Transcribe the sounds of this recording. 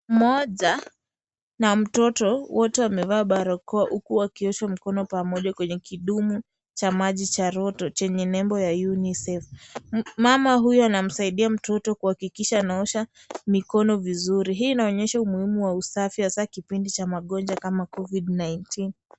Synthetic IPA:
mɔʄa | nam̩tɔtɔwɔtɛwamɛvaːɓaɾɔkɔaʔukuwakiɔʃamikɔnɔpamɔʄakwɛɲɛkʰiɗumu | t͡ʃamaʄit͡ʃaɾɔtɔt͡ʃɛɲɛnɛmbɔjajunisɛf | mamaɦujɔanam̩saiɗiam̩tɔtɔkuhakikiʃaːnaɔʃa | mikɔnɔvizuɾiɦiːnaɔɲɛʃaumuhimuwausafihasakipindit͡ʃamaɠɔnd͡ʒakamakɔviɗnajntʰin

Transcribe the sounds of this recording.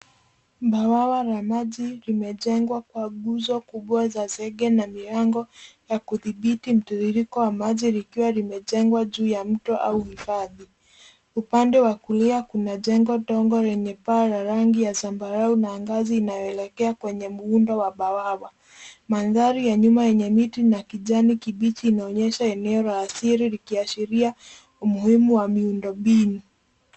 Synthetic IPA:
ɓawawaɾamaʄiɾimɛʄɛŋɡwakwaɡuzɔkuɓwazazɛɡɛnamiɾaŋɡɔjakuðiɓitim̩tuðiɾikɔwamaʄiɾikiwaɾimɛʄɛŋɡwaʄuːjam̩tɔʔauhifaði | upandɛwakuliakunaʄɛŋɡɔtɔŋɡɔɾɛɲɛpaɾaɾaŋɡijasambaɾaunaŋɡaziːnajɔɛlɛkɛakwɛɲɛmuundɔwaɓawawa | manðaɾijaɲumajɛɲɛmitinakiʄanikiɓit͡ʃiːnaɔɲɛʃaɛnɛɔlaːsiɾiɾikiaʃiɾia | umuhimuwamiundɔɓinu

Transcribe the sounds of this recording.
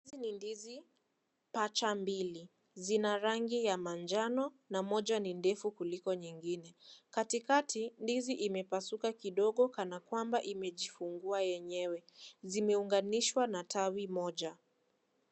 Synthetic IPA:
inindizi | pat͡ʃambili | zinaɾaŋɡijamand͡ʒanɔ | namɔʄanindɛfukulikɔɲiŋɡinɛkatikatindiziʔimɛpasukakiɗɔɠɔkanakwambaʔimɛʄifuŋɡuajɛɲɛwɛzimɛuŋɡaniʃwanatʰawimɔʄa

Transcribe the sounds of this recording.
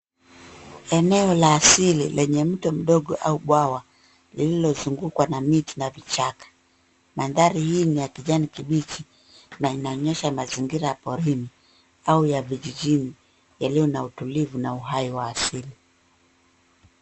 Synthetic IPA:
ɛnɛɔlaːsilḭlʔɛɲɛm̩tɔm̩ɗɔɠɔʔauɓwawa | lililɔzuŋɡukwanamitinavit͡ʃakḁ | manðaɾihiːnijakiʄanikiɓit͡ʃi | nainaɔɲɛʃamaziŋɡiɾajapɔɾini | aujaviʄiʄini | jalijɔnautulivunauɦaiwaːsili

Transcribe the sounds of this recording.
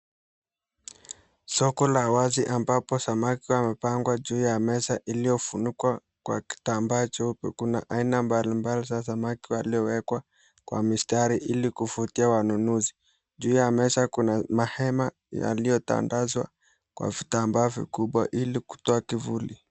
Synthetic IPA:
sɔkɔlawaziʔambapɔsamakiwamɛpaŋɡwaʄuːjamɛsaʔilijɔfunikwa | kwa̰ki̥tambat͡ʃɛupḭkunaʔainambalimbalizas̬amakiwaliɔwɛkwa | kwa̰mistaɾiʔilikufutiawanunuzi | d͡ʒuːjamɛsakunamahɛma | ja̰lijɔta̰ndazwa̰ | kwa̰vitambaːvḭkuɓwa̰ʔiliku̥tɔakivuli

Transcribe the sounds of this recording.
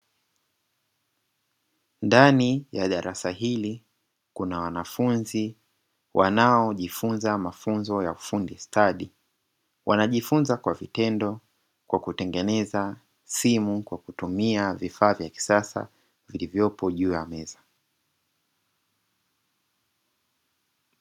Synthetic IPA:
ndanijaɗaɾʔasaɦili | kunawanafunzi | wʔanaɔʄifunzamafunzɔjaufundistaɗi | wʔanaʄifunzakwavitɛndɔ | kwakutɛŋɡɛnɛza | simukwakutumiavifaːvjaki̥sasa̰ | vilivjɔpɔʄuːjamɛza

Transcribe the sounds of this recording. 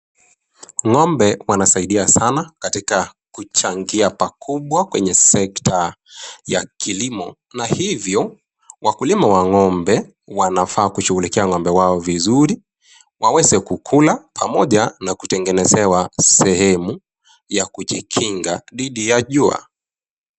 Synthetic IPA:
ŋɔmbɛwanasaiɗiasanakatikakut͡ʃaŋɡiapakʰuɓwakwɛɲɛsɛktʰa | jakʰilimɔ | nahivjɔ | wakulimawaŋɔmbɛ | wanafaːkuʃuɣulikɛaŋɔmbɛwaɔvizuɾi | wawɛzɛkukʰulapʰamɔʄanaku̥tɛŋɡɛnɛzɛwasɛhɛmu | jakuʄikʰiŋɡaðiɗijaʄua̰

